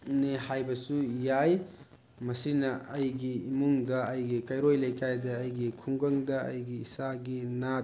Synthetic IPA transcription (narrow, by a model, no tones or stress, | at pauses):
nehajbɐsujaj | mɐsinɐɐjɡiimuŋdɐːjɡikɐjɾojlɐjkajdɐːjɡikʰuŋɡɐŋdɐɐ̰jɡiːsaɡina